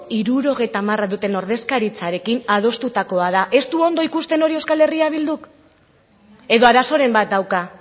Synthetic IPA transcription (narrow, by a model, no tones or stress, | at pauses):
iɾuɾo̞ɣ̞e̞jt̪amaraðut̪e̞no̞ɾð̞e̞skaɾit͡saɾe̞kinað̞o̞st̪ut̪ako̞að̞aʔe̞st̪uo̞nd̪o̞ikust̪e̞no̞ɾiewskale̞riaβ̞ild̪uk | e̞ðo̞aɾaso̞ɾe̞mbat̪̚d̪awka